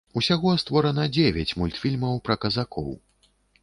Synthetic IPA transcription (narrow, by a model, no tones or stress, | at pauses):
usʲaɣɔst̪vɔɾɐnɐd͡zʲevʲɛt͡sʲmulʲt̪fʲilʲmɐwpɾɐkɐzakʰɔ̰w